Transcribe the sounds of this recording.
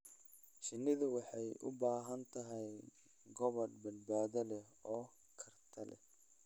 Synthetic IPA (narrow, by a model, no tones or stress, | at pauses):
ʃɪnːɪðʊwɑħɑjʔʊ̰baːɦɐnt̪ʰɐɦɛj | ɡɔβɐrbɐd̪̚baːðɐlɛ | ɔː | kʰɐrt̪ʰɐlɛ̰